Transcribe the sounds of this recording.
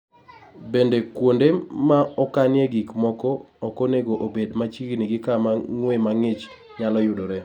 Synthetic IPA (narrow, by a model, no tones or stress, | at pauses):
bendekwondemaɔkanɪeɡikmɔkɔːkoneɡoʔobedmat͡ʃiɡniɡɪkamaŋwemaŋɪt͡ʃ | ɲalɔjʊdoɾe